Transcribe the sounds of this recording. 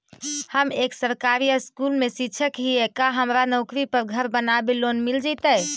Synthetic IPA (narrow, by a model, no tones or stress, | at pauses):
həmeksəɾkaɾijəskulmesit͡ʃʰəkɦiekaɦəmɾanɔʊkɾipəɾɡʱəɾbənabelonmild͡ʒɛt̪əj